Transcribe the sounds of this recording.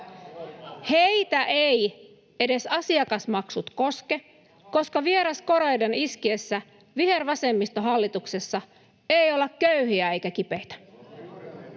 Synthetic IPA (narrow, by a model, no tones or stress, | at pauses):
hejt̪æʔej | e̞de̞sɑsiɑkɑsmɑksut̪ko̞ske̞ | ko̞skɑʋie̞ɾɑsko̞ɾejdeniskiesːæ | ʋiɦe̞rʋɑse̞mːist̪oɦɑlːit̪uksesːɑ | ejolːɑkkøyhiæe̞jkæk̟ipe̞jt̪æ̥